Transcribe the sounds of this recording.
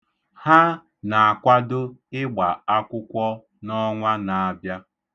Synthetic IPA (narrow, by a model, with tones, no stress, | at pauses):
ha˦ | na˨a˨kʷa˦dʊ˦ɪ˦ɡ͡ba˨a˦kʷʊ˦kʷɔ˦ | nɔ˦ŋʷa˦na˨a˨bja˦